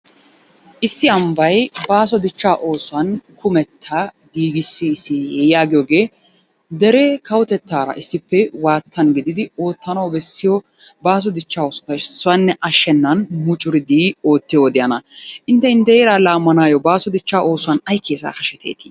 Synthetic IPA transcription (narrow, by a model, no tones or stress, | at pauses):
ʔɪsːɪɐmbɐjbaːsɔd̪ɪt͡ʃːaːʔo̞ːsʊɐnkʰʊmɛt̪ʰːɐ | ɡiːɡɪsːɪːsːɪjɛjɪjaːɡɪjoːɡe̞ː | d̪ɛɾɛkɐwʊt̪ɛt̪ːaːɾɐ̰ʔɪsːɪpːɛwaːt̪ʰːɐnɡɪd̪ɪd̪ɪo̞ːt̪ːɐnɐwbɛsːɪjɔ | baːs̬ɔd̪ɪt͡ʃːaːoːsɔ̥t̪ɐsːʊwɐnːɛʔɐʃːɛnːɐnmʊt͡ʃʼʊɾɪd̪iːo̞ːt̪ːɪjowd̪ɪjɐnɐʔɪnt̪ːɛɪnt̪ːɛjeɾaːlaːmːɐnaːjɔbaːsɔd̪ɪt͡ʃːaːo̞ːsʊwɐnɐjkʰːeːsa̰ːxɐʃɛt̪ʰḛːt̪ɪ̥